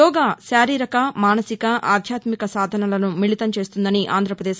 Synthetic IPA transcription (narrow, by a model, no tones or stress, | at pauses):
ɔːɡaːʃaːɾiːɾɐkɐmaːnɐsikɐʔa̰ːd̪ʱjaːt̪mikɐsaːd̪ʱɐnɐlɐnumiɭit̪ɐmt͡ʃe̞ːst̪und̪ɐniʔa̰ːnd̪ɾɐpɾɐd̪eːʃ